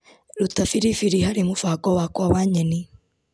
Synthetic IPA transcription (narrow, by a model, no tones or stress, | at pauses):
ɾutafiɾifiɾihaɾimufaːkɔwakwawaːɲɛni